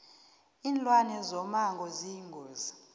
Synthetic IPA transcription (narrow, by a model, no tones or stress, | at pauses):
iːnlwanɛzɔmaŋɡʱɔziŋɡʱɔːza